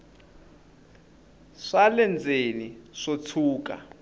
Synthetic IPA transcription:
ʂalɛnd͡zʱʼeniʂot͡sʰuːk̬ʼa̰

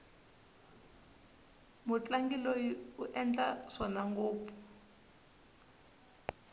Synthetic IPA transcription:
mut͡ɬaŋɡilojiuʔɛnd͡ɮaʂɔnaŋɡoːp̪fu̥

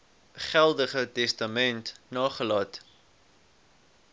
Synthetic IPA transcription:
χælˠdəχətɛstəmɛntnɑːχəlɑːt

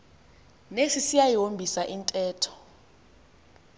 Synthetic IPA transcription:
nesisijajombʱisaʔintʼɛːtʰɔ̥

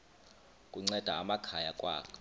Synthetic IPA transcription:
kʼuŋ͡ǀɛd̥ʱaːmakʰajakʼwa̰ːkʰɔ̥

